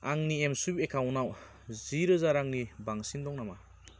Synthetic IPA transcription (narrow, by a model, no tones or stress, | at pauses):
aŋniɛmsubekʰawnaw | ziɾɔzaɾaŋnibaŋsindɔŋnama